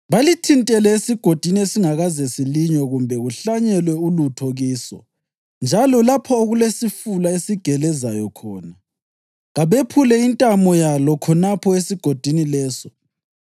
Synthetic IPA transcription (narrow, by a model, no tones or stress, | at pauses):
βalitʰintʼɛlɛesiɡ̥ʱod̥ʱiniesiŋaɣazɛsiliɲɔɣumbʱɛɣuɬaɲɛlwɛulutʰoɣiːsɔ̰ | nd͡ʒʱalɔlapʰɔoɣulesifulaesiɡ̥ʱɛlɛzajɔkʰɔːna | ɣaβepʰulɛintʼamɔjalɔkʰɔnapʰɔesiɡ̥ʱod̥ʱinilɛːsɔ